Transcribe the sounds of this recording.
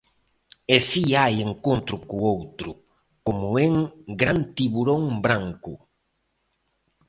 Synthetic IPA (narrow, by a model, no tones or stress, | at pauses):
esiajeŋkont̪ɾʊkuowt̪ɾʊ | komueŋɡɾant̪iβuɾõŋbɾaŋkʊ